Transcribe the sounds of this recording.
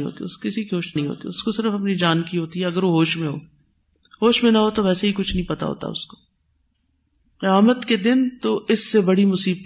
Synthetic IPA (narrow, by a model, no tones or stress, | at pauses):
ɦo̰ːt̪ḭʊskɪsikiɦoːʃɦĩɦo̰ːt̪ḭʊskosɪɾəfɐpnid͡ʒaːnkiɦoːt̪iɦɛɐɡəɾʋoɦoːʃmẽɦo̰ː | ɦoːʃmẽnɐɦot̪oʋɛːseɦikʊt͡ʃʰnɐɦĩpɐt̪a̰ɦo̰ːt̪a̰ʊ̰sko̥ | aːmət̪ked̪ɪnt̪oʔɪsːebɐɽimʊsiːb̪